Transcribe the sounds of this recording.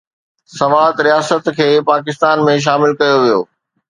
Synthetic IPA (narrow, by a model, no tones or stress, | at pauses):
sɐʋaːt̪ɾijaːsət̪kʰeːpaːkɪst̪aːnmẽʃ̬aːmɪlkɐjoʋijo̰ː